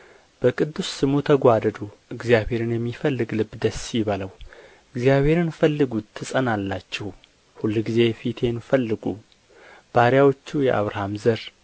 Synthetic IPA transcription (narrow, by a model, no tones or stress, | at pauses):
b̥əkʼɨd̪ːusːɨmut̪ʰəɡʷad̪əd̪uʔɨɡzjabhe̞ɾɨnjɛmːifəlːɨɡlɨbd̪əsiβaləw | ʔɨɡzjaβhe̞ɾɨnfəlːɨɡut̪ʰːɨsʼənalːat͡ʃːɪh | hulːɡize̞fit̪ʰe̞nfəlːɨɡu | b̥aɾjawo̞t͡ʃːujɛ̰ʔa̰βɾahamzəɾ